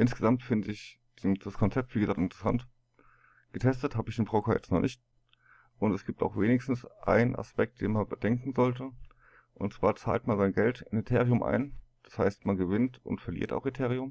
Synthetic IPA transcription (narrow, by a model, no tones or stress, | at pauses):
ʔɪnsɡ̥əzamtfɪndəɪç | d̥d̥askʰɔnt͡sɛp̚tv̥iːɡəzaːktɪntə̥ʁ̥əsa̰nt | ɡ̥ətʰɛstəthaːbəɪçenbʁ̥oːkʰaːjɛ̰t͡stnɔχnʔɪçt̚ | ʔʊntɛsɡ̥iːp̚ta̰ʊxv̥eːnɪçstn̩sʔa̰ɪnəna̰spɛk̚t̚d̥ḛːnmanbəd̥ɛŋkŋ̩zɔltə | ʔʊntt͡sv̥a̰ːɐt͡sa̰ːltmanzaɪnɡɛltʰɪnetʰeːʁiʊmʔa̰ɪnd̥ḁshaɪstmanɡəvɪntʊ̰ntfɛɐlḭːɐta̰ʊxetʰeːʁiʊm